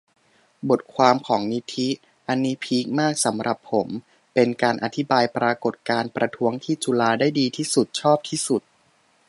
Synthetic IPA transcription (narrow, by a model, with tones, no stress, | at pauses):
bo˨˩t̪̚kʰwaː˧mkʰɔː˩˦ŋni˦˥t̪ʰi˦˥ | ʔa˧nːiː˦˥pʰiː˦˥k̚maː˥˩k̚sa˩˦mɾʔa˨˩pʰːo˩˦m | pe˧nkaː˧nʔa˨˩t̪ʰi˦˥baː˧jpɾaː˧ko˨˩t̪̚kaː˧npɾa˧t̪ʰu˦˥əŋt̪ʰiː˥˩t͡ɕu˧laː˧daː˥˩jdiː˧t̪ʰiː˥˩su˨˩t̪̚t͡ɕʰɔː˥˩p̚t̪ʰiː˥˩su˨˩t̪̚